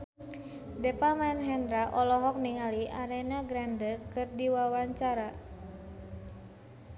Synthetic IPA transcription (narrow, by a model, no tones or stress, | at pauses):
dɛpamɛnɦɛnɾaʔɔlɔɦɔk̚niŋaliʔaɾɛnaɡɾandəkɨrdiwawaɲt͡ʃaɾa